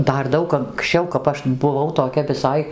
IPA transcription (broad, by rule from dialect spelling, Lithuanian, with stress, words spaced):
ˈdɐr ˈdɐʊk ɐŋksʲˈt͡ʃʲɛʊ kɐp ˈɐʃ bʊˈʋɐʊ toːˈkʲɛ ʋʲɪˈsɐɪ